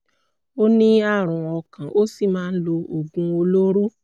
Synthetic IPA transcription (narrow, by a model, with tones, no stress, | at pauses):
o˦nĩ˦a˦˨ɾ̃ũ˨ɔ˧kã˨ʔo˦si˦˨mãː˦n̩˦lo˧o˨ɡũ˧o˧lo˦ɾu˦